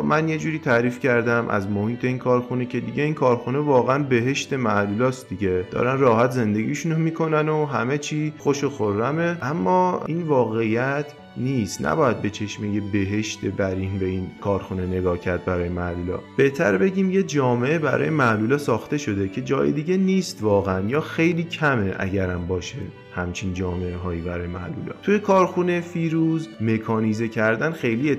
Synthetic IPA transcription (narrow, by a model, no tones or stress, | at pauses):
mænje̞d͡ʒuːɾiːt̪ʰæɾiːfcʰæɾd̪æmʔæ̰zmohiːt̪ʰe̞iːnkʰɒːɾxune̞cʰe̞d̪iɟe̞iːnkʰɒːɾxune̞vɒːɣeænbe̞ɦe̞ʃt̪e̞mæʔluːlɒːst̪d̪iɟe̞d̪̥ɒ̰ːɾænrɒːɦæt̪ʰze̞nd̪e̞ɡiːʃunomiːkʰo̞nænoɦæme̞t͡ʃʰiːxo̞ʃoxoɾːæmeʔæmːɒːiːnvɒːɣe̞ijæt̪ʰ | niːst̪nʔæ̰bɒːjæd̪̚be̞t͡ʃʰe̞ʃmejebe̞ɦe̞ʃt̪ebæɾiːnbe̞inkʰɒːɾxune̞ne̞ɡɒːcʰæɾd̪̚bæɾɒːjemæluːlɒ̰ːb̥e̞ht̪ʰæ̰ɾbe̞ɟiːmjed͡ʒɒːmeʔebæ̰ɾɒ̰ːjemæluːlɒsɒːxt̪e̞ʃo̞d̪e̞cʰe̞d͡ʒɒːjḛd̪iːɟe̞niːst̪vɒːɣeænjɒːxe̞jliːcʰæme̞ʔæ̰ɟæɾæmbɒːʃe | hæmt͡ʃʰind͡ʒɒːme̞eɦɒːjiːbæɾɒːjemæʔlṵlɒ̰ːt̪ʰujekʰɒːɾxunefiːɾuzme̞kʰɒːnizecʰæɾd̪ænxe̞jliːe